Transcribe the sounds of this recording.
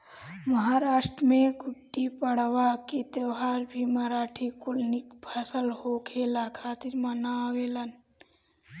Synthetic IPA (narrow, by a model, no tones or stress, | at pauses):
məɦaːɾaːʃʈɾəmẽɡʊʈːipəɽ̤ʋaket̪eɦaːɾbʱimaɾaːʈʰikʊlnikpʰasəlhokʰeːlakʰaːt̪iɾmanaweːlən